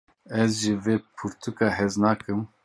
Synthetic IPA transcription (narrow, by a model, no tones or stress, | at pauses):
ɛzʒɨveːpʰuɾt̪ʰukɑːɦɛznɑːkɨm